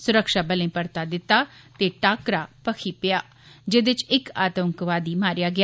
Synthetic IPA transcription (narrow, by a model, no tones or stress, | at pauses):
sʊɾəkʃaːbəlẽːpəɾt̪aːd̪ɪt̪ːaːt̪eːʈaːkɾaːpəkʰiːpɪjaː | d͡ʒed̪ɪt͡ʃɪkaːt̪əŋkʋaːd̪iːmaːɾɪjaːɡɪaː